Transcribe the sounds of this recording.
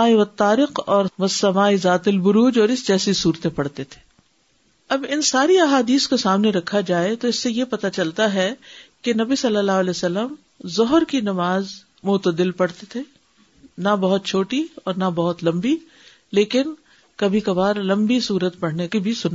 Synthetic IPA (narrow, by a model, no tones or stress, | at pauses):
aːiʋɐt̪ːaːɾɪqɔːɾʋɐsːɐmaːizaːt̪ɪlbʊɾuːd͡ʒɔːɾɪsd͡ʒɛːsisuːɾt̪ẽpɐɽ̤t̪et̪ʰe̥ː | ɐbɪnsaːɾiɐɦaːd̪iːskosaːmneɾɐkʰːad͡ʒaːet̪oɪsːejepɐt̪at͡ʃɐlt̪aɦɛkenɐbisɐlːəlːaːɦʊɐlɛːsɐlːəm | zɔɦəɾkinɐmaːz | mʊt̪əd̪ɪlpɐɽ̤t̪et̪ʰeː | nabɐɦʊt̪̚t͡ʃʰoːʈiɔːɾnabɐɦʊt̪lɐ̃mbi | leːkɪn | kɐbʱikɐbaːɾlɐ̃mbisuːɾət̪pɐɽ̤nekibʱisʊnː